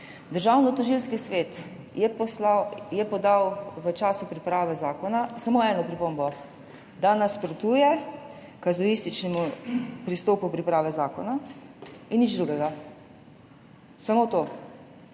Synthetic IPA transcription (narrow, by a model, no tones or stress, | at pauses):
d̪əɾʒaːwnɔt̪ɔʒilskisʋeːt̪ | ɛpɔsajɛpɔd̪awʋət͡ʃaːsupɾipɾaːʋɛzaːkɔnasamoːɛːnɔpɾipombɔ | d̪anaspɾot̪uːjɛ | kazɔist̪it͡ʃnɛmupɾist̪oːpupɾipɾaːʋɛzaːkɔna | inːid͡ʒd̪ɾuɡɛɡa | samoːt̪oː